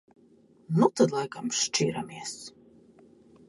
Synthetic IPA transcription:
nut̪ad̪lˠajkamʃt͡ʃiːɾamiɛs

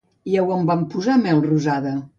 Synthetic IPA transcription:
iɛwəmbampuzamɛlˠruzaðə

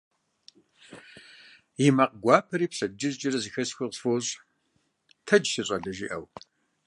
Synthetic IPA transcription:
jimɐqɡʷɑːpʰɐɾiːpsɐd͡ʒɪzt͡ʃʼɪrɐzixɐsxʷɐqsfoːɕʼ | tʰɐd͡ʒsɨɕʼɐɮɐʒḭːʔɐw

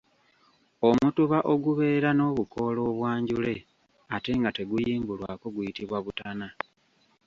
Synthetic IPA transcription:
o̞mutuβaʔoɡuβe̞ːɾano̞βuko̞lo̞ːβwaːɲɟule̞ | ate̞ŋɡate̞ɡujiːmbulwa̰ko̞ɡujitiβwaβutana

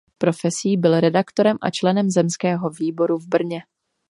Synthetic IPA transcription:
pɾo̞fɛsiːbɪlɾɛdakt̪o̞ɾɛmʔa̰t͡ʃlɛnɛmzɛmskɛːɦo̞viːbo̞ɾuvbr̩ɲɛ

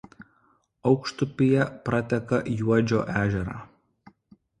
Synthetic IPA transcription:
ɒʊkʃt̪ʊpʲɪjɛpɾɐt̪ʲɛkɐʔjuɔd͡ʒʲoːʔæːʒʲɛɾɑ̰ː

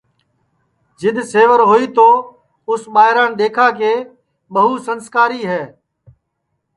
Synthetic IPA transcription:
d͡ʒɪɗ̪seːʋəɾɦoːiːt̪oː | ʊsɓaːɦɪɾãːnɗ̪eːkʰaːkeː | ɓəɦuːsənskaːɾiːɦɛː

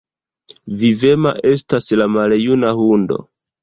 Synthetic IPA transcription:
vive̞ma̰ʔe̞staslamaljunahundo̞̰

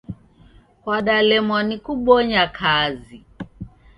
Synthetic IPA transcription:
kwaɗalɛmɔnikuɓɔɲakʰazi

